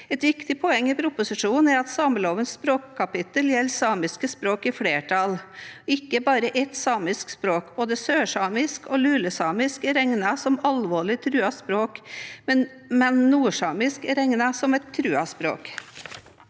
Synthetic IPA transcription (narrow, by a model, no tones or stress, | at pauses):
ɛt̪ʋɪkt̪ɪpʰɔɛŋːɪpʰɾʊpʊsɪʂuːn̩ɛɾɑt̪sɑːməloːʋənsspɾoːkʰːɑpɪt̪əljɛlːsɑːmɪskəspɾoːkɪfɽeːʈʰɑlɪkːəbɑːɾəʔɛt̪sɑːmɪskspɾoːkboːd̪əsøːʂɑːmɪskɔlʉːləsɑːmɪskɾɛŋnɑsɔmɑlʋoːɭɪt̪ʰɾʉːɑspɾoːkmɛn | mɛnnuːʂɑːmɪskɾɛŋnɑsɔmɛt̪ʰːɾʉːɑspɾo̰ːk